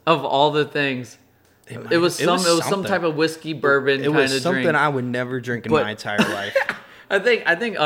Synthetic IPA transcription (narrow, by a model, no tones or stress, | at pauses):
ʌvɔlˠðɨθɪ̃ŋz̥ | ɨt̚wʌz̥sʌ̃mɪt̚wʌzzsʌ̃mtʰaɪpʌvwɪskibɜ˞bɨ̃nkaʌ̃ɪ̃nɨdsʌ̃ɹɪ̃ŋθɪ̃ŋaɪwɨdⁿnɛvə˞dɹɪ̃ŋknb̥ʌaɪɨ̃ntʰaɪə˞laɪf | aɪθɪ̃ŋkaɪθɪ̃ŋkʌ